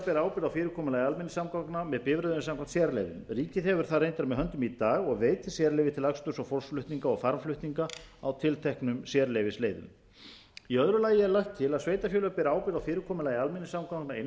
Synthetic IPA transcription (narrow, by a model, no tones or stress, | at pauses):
pɛːɾaaːwpɪɾawfɪːɾɪɾkʰɔːmɪlaːjalmɪnːɪsamkawknamɛðpɪvɾœðʏsamkʰant̪sjɛɾlḛjðʏ̰mriːcɪðɛvʏɾ̥θaðrejnt̪aɾmɛðɦœnt̪ʏmit̪aːɣɔɣveːjt̪ɪ̥sjɛɾlejvɪt̪ʰɪlakst̪ʏsɔfɔlsflʏht̪niŋkaɔɣfaɾmflʏht̪niŋkaa̰wt̪ʰɪlt̪ʰɛhknʏmsjɛɾlejvɪsleːjðʏ̰m | iœðɾʏlaːjɪɛɾlajxt̪ʰːɪlaðsveːjt̪afjœːlʏpɛːɾaaːwpɪɾawfɪːɾɪɾkʰɔːmɪlajalmɪnːɪsamkawknaen